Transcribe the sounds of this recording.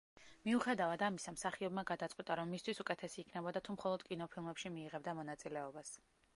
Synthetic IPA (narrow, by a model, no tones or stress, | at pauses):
miuχɛd̪avad̪amisamsaχiɔbmaɡad̪at̪sʼqʼwit̪ʼaɾɔmːist̪ʰwisukʼɛt̪ʰɛsiːkʰnɛbɔd̪at̪ʰumχɔlˠɔd̪̥kʼinɔpʰilˠmɛpʃimiːʁɛbd̪amɔnat̪sʼilɛɔbas